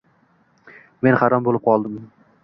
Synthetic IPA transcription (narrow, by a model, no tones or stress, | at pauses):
me̞nhaɾɒmbolɪp̚qʰɒlˠd̪ɪm